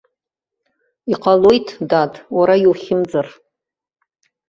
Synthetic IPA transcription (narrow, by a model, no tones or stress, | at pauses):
iqʼalojtʰdatʰʼwaɾajwχʲɪmd͡zar